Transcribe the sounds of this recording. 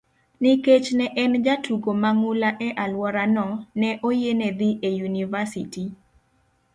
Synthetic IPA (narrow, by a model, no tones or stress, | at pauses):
niket͡ʃnɛʔɛnd͡ʒatʰuɡomaŋʊlaʔɛʔalwɔɾanɔnɛʔojenɛd̪iʔejunivasiti